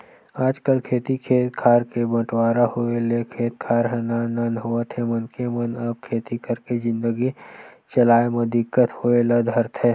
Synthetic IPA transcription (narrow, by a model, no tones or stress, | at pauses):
aːd͡ʒkəlkʰeːt̪ikʰeːt̪kʰaːɾkebɐ̃ʈwaːɾahoelekʰeːt̪kʰaːɾɦɐnaːnanɦoət̪ʰemɐnkemənɐb̚kʰeːt̪ikəɾkezɪ̃nd̪əɡit͡ʃɐlaːemɐ̃d̪ɪkːət̪hoːelɐd̪ʱəɾt̪ʰɦɛː